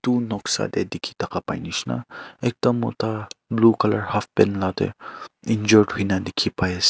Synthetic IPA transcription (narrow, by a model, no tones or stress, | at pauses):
t̪unɔksa̰d̪ḛd̪ikʰit̪ɐkapa̰jniʃna̰ek̚d̪ɐmo̰t̪ablukɐləɾhafbɛnlat̪ḛind͡ʒɔɾʈɦuinad̪ikʰipajes